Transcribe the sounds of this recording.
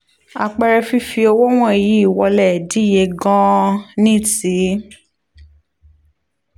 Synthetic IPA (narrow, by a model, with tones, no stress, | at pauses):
a˨k͡pɛ˧ɾɛ˧fi˦fi˧o˧wo˦w̃ɔ̃˦e˨ji˨˦i˦˨wɔ˧lɛ˨di˨˦˨je˧ɡã˦nĩ˦˨ti˨˦